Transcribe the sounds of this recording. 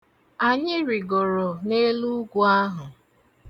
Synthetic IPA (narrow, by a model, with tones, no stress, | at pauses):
a˨ɲɪ˦ɾi˨ɡɔ˨ɾɔ˨ne˦lu˦ɡʷu˦a˦ɦʊ˨